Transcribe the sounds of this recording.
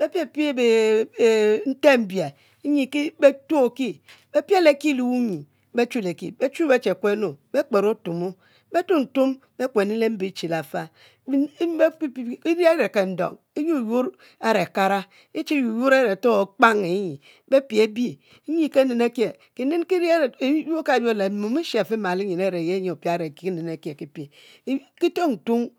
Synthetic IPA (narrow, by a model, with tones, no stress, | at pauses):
be˦pje˦˨pi˦e˦be˨ | n̩˦te˦m̩˨bja˨˦ | ɲi˨ki˦be˦to˦˨ki˦ | be˦pje˦le˦˨ki˦lu˨u˦ɲi˨ | be˦t͡ʃu˦le˨kḭ˨be˦t͡ʃu˦be˦t͡ʃe˨kʷe˦no˨be˦k͡pe˨ɾo˦tu˨mo˦ | be˦tu˦n̩˨tu˦m | be˦kʷe˨ni˦le˦m̩˦bi˦t͡ʃi˨la˨fa˦ | i˦˨i˦ɾa˦ɾe˨ke˨n̩˦do̰˨ŋ | e˦ju˦u˨ju˦ɾ | e˦ɾe˨a˨ka˦ɾa˦ | e˦t͡ʃi˦ju˨ju˦ɾe˦ɾe˨to˦˨k͡pa˦ŋe˨˦ɲi˨ | be˦pi˨e˦bi˦ | ɲi˦ke˦ne˨ne˦ke˨ | ki˨ne˦nki˦ɾju˦ka˨do˦˨le˨˦mu˨mi˦ʃe˨fi˦ma˨li˦ɲi˨ne˦˨ɾe˨je˦ɲi˨o˨pi˦a˦ɾe˨ki˨ki˦ne˨ne˨kje˨ki˦pi˨˦ | ki˦to˦n̩˨tu˦m